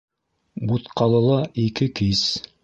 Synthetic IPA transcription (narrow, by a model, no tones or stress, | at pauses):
but̪qɑlˠɤ̆lˠɑikɘkis